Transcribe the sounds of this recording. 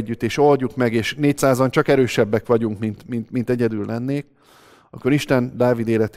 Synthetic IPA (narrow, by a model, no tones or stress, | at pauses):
ɟːyt̪ːeːʃo̞lɟukmɛɡeːʃneːc̚saːzont͡ʃɒkɛɾøːʃɛbːɛkʋɒɟuŋkmint̪mint̪mint̪ɛɟɛd̪ylːɛnːeːk | ɒko̞ɾiʃt̪ɛnd̪aːvid̪eːlɛt̪